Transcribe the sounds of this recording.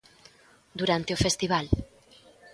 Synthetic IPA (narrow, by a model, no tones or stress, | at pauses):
d̪uɾant̪eofest̪iβ̞al